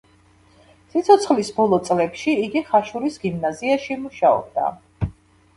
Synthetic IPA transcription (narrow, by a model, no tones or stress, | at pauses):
sit̪sʰɔt̪sʰχlisbɔlˠɔt̪sʼlɛpʃiːɡiχaʃuɾisɡimnaziaʃimuʃaɔ̰b̚d̪a̰